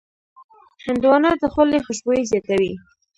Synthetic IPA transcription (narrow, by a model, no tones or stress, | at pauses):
hɪnd̪wɑnɑd̪əxʊlexəʃbojezjɑt̪awi